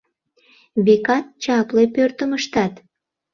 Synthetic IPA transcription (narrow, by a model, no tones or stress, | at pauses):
βekɑt̪̚t͡ɕɑplepørt̪əməʃt̪ɑt̪